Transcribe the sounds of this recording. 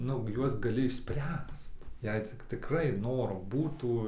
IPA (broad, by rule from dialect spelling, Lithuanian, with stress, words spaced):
ˈnʊ ˈjuɔs ɡɐˈlʲɪ ɪʃʲˈsʲpʲrʲæːst ˈjɛɪ t͡sʲɪk tʲɪkˈrɐɪ ˈnoːroː ˈbuːtuː